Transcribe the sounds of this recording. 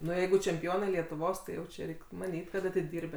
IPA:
ˈnʊ ˈjɛɪɡʊ t͡ʃʲɛmʲpʲɪˈoːnɐɪ lʲiɛtʊˈʋoːs tɐɪ ˈjɛʊ t͡ʃʲɛ ˈrʲɛɪkʲ mɐˈnʲiːtʲ kɐt ɐtʲɪˈdʲɪrʲbʲeː

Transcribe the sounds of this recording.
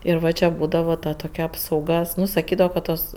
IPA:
ɪr ˈʋɐ t͡ʃʲɛ ˈbuːdɐʋɐ tɐ toːˈkʲɛ ɐpsɐʊˈɡɐ ˈnʊ sɐˈkʲiːdɐʋoː kɐ ˈtoːs

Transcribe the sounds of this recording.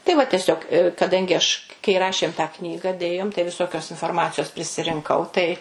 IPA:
tɐɪ ʋɐ tʲɛˈsʲoːk kɐˈdɐŋʲɡʲɪ ɐʃ kɐɪ ˈrɑːʃʲeːm tɑː ˈknʲiːɡɐ ˈdʲeːjoːm tɐɪ ʋʲɪˈsoːkʲoːs ɪnfoːrˈmɑːt͡sʲɪjoːs pʲrʲɪsʲɪrʲɪŋˈkɐʊ tɐɪ

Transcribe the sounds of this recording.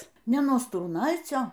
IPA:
ˈnʲɛ nuɔ struːˈnɐɪt͡sʲoː

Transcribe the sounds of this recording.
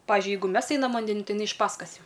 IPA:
ˈpɑːʋʲɪʒʲʊɪ ˈjɛɪɡʊ ˈmʲɛs ˈɛɪnɐm ʋɐnʲˈdʲæːnʲɪn ˈtɐɪ ɪˈnɐɪ ɪʃ ˈpɑːskɐs ˈjɛʊ

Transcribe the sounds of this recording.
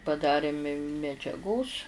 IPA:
pɐˈdɑːrʲeː mʲɪ mʲɛd͡ʒʲɛˈɡoːs

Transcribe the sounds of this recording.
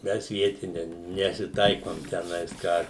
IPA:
ˈmʲɛs ˈʋʲiɛtʲɪnʲɛ nʲɛsʲɪˈtɐɪkoːm tʲɛˈnɐɪs ˈkɑː

